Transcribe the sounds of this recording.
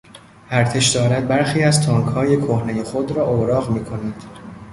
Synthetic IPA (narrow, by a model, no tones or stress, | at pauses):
ʔæɾt̪ʰe̞ʃd̪ɒːɾæd̪̚bæɾxiːæzt̪ʰɒːŋkhɒːje̞kʰohne̞je̞xo̞d̪ɾɒːʔoɾɒːʁmiːkʰo̞næd̪̥